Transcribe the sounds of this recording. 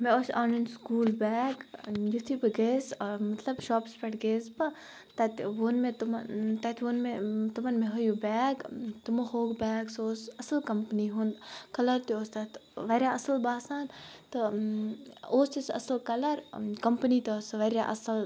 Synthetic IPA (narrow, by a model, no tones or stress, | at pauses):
mẽoːsaːnɐnskuːlbɛːɡjut̪ʰibɐɡeːsmɐt̪lɐbʃɔːpspɐʈɡeːsbɐ | t̪ɐt̪ʲʋonmẽt̪umt̪ɐt̪ʰʋonmet̪umɐnmẽɦojubɛːɡt̪umohoːɡbɛːɡsoːsɐsɐlkɐmpniɦund̪kɐlɐɾt̪ioːst̪ɐt̪ʋɐɾʲjaːɐsɐlbaːsaːnt̪ɨ | oːst̪isɐ̰slkɐlɐɾkɐmpnit̪ːsʋɐɾʲjaʔɐ̰sɐl